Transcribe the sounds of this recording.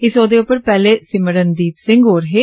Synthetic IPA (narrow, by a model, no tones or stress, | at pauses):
ɪsoːd̪eːʊpəɾpɛːleːsɪməɾənd̪iːpsɪ̃ŋɡɦoːɾəɦeː